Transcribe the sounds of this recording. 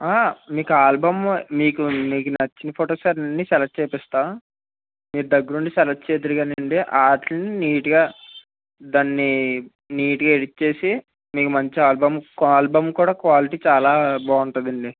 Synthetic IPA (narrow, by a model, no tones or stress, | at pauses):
aːmiːkuaːlbɐmmiːkumiːkunɐt͡ʃːinɐpʰoːʈoːsaːɾnɐnːisɛlɐʈ̚t͡ʃeːpɛst̪aː | miːɾud̪ɐɡːɐɾuɳɖisɛlɐʈ̚t͡ʃeːd̪ɐɾiɡaːnɐɳɖiʔaːʈlɐniniːʈiɡaː | d̪aːnːi | niːʈiɡaːeɽit͡ʃːe̞ːsi | miːkumɐɲt͡ʃiaːlbɐmkaːlbɐmkuːɽaːkʋaːliʈiːt͡ʃaːlaːbaːuɳʈɐnd̪ɐɳɖi